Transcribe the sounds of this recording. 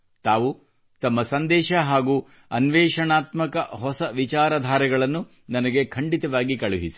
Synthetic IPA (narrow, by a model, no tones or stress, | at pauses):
t̪aːʋu | t̪ɐmːɐsɐnd̪ɛːʃɐɦaːɡuː | ɐnʋɛːʃɐɳaːt̪mɐkɐɦɔsɐʋit͡ʃaːɾɐd̪ʱaːɾɛɡɐɭɐnːu | nɐnɐɡe̞kʰɐɳɖit̪ɐʋaːɡikɐɭuɦisi̥